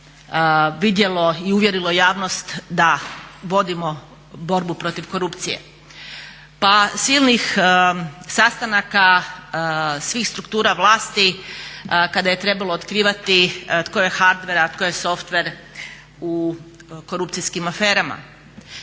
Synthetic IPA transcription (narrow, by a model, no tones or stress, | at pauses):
ʋid̪je̞lo̞iuʋjeɾilo̞jaːʋno̞st̪d̪aʋo̞d̪imo̞ | bo̞ɾbupɾo̞t̪iʋko̞ɾupt̪sije̞̰ | pasilnix | sast̪anaka | sʋiːxst̪ɾukt̪uːɾaʋlˠaːst̪i | kad̪aje̞t̪ɾe̞balˠoːt̪kɾiːʋat̪it̪koje̞xaɾd̪ʋeɾat̪kojeso̞ft̪ʋe̞ɾ | uko̞ɾupt̪siskimafe̞ːɾama̰